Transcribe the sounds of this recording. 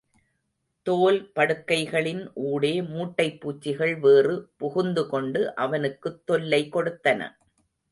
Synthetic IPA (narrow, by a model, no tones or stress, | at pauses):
t̪oːlpɐɽɯkːɐɪɣɐɭɪnʔuːɽeːmuːʈːɐɪpːuːt͡ʃːɪɣɐɭʋeːrɯpʊɣʊnd̪ɯkɔɳɖɯʔɐʋɐnɯkːɯt̪ːɔlːɐɪkɔɽɯt̪ːɐnɐ̰